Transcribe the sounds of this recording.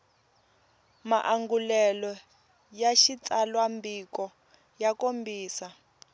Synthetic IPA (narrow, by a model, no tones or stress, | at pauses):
ma̰ʔaŋɡulɛlɔ | jaʃit͡sʼalwambikɔ | jakombiːsa